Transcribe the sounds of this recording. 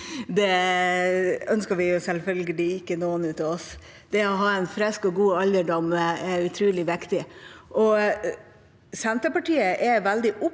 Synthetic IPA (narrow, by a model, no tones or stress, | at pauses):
d̪ɛ | œnskəɾʋɪjʊsɛlfœlɡəlɪɪkːənoːənʉːt̪ɑɔs | d̪̥ɛɔɦɑːɛnfɾɛskɔɡuːɑləɖɔməɛʉt̪ʰɾʉːlɪʋɪkt̪ɪʔɔ | sɛnt̪ɾəpɑʈiːəʔɛʋæld̪ɪʔʊp